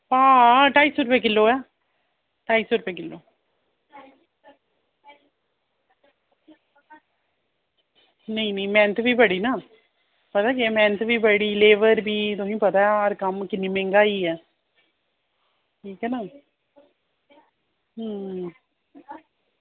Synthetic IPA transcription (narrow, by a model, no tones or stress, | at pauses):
paːʈaːiːsʊɾpeːk̬ɪlːoːaː | ʈaːisʊɾpeːkɪlːoː | nəĩnəĩmɛ̃ːnt̪ʰbʱiːbəɽiːnaː | pət̪aːkemɛ̃ːnt̪bʱiːbəɽiːleːʋəɾbʱiːt̪̬ʊɦĩːpət̪aːjaɾkəmkɪnːimẽːŋɡaːiːɛː | ʈʰiːkɦɛːnaː | ɦ